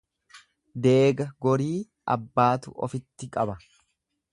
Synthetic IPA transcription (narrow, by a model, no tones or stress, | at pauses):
d̪eːɡɐɡɔɾiː | ʔɐ̰bːaːt̪ʊ̰ʔɔ̰fɪt̪ːɪkʼɐbɐ